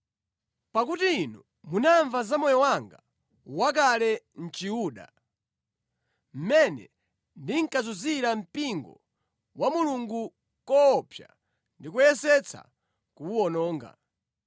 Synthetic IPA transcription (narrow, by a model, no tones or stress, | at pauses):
pak̬utiːnu | munaɱvazamɔjɔwaŋɡa | wak̬alɛn̩t͡ʃiuːɗa̰ | m̩mɛnɛ̰ | ndiŋ̩kazuziɾam̩piŋɡɔ̰ | wamuluŋɡu | kɔːpʰja̰ | ndikujɛsɛt͡sʰa̰ | kuːɔnɔːŋɡa̰